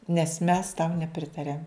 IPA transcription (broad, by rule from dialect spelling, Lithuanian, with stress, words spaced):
nʲɛs mʲɛs tɐʊ nʲɛˈpʲrʲɪtɐrʲɛm